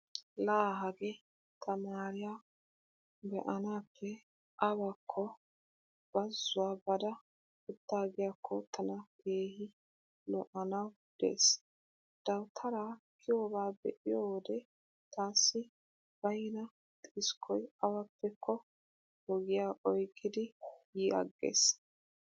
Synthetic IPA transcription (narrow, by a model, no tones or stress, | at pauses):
laːɦɐɡɛ | t̪ʰɐmaːɾɪjaː | bɛʔɐnaːpʰːɛ | ʔɐbakʰːɔ | b̥ɐzːʊwaːbɐd̪ɐ | ɛt̪ːaːɡɪjakʰːɔt̪ʰɐnɐkʰeːhɪ | lɔʔɐnɐw | d̪̥e̞̰ːs | d̪̥ɐwt̪ʰɐɾakʰːɪjobaːbɛ̰ʔɪjowd̪ɛ | t̪aːsːɪ | b̥ɐjnɐ | t̪ʼːskʰɔjɐwɐpʰːɛkʰːɔ | hɔɡɪjaːʔɔjkʰʼːɪd̪ɪjiɐ̰ɡːḛːs